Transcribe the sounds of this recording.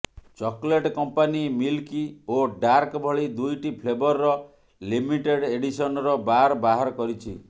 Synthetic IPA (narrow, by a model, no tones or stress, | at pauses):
t͡ʃɔkleʈkɔmpanimilkioɖaɾkbʱɔɭid̪ujʈipʰlebɔɾːɔ | limiʈeɽeɽisɔnɔɾɔbaɾɔbaɦaɾɔkɔɾit͡ʃʰi